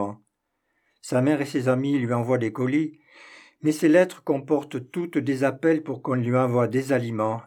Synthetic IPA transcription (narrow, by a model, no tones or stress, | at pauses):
ɑ̃ | samɛʁesezamilɥiɑ̃vwad̪ekɔli | mɛselɛt̪χəkɔ̃pɔʁt̪t̪ut̪d̪ezapɛlpuʁkɔ̃lɥiɑ̃vwad̪ezalimɑ̃